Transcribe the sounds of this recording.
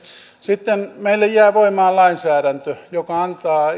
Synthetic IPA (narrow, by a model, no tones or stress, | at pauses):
sit̪ːenmeilːejjæːʋoimɑːllɑinsæːɾænt̪øjokɑɑnt̪ɑː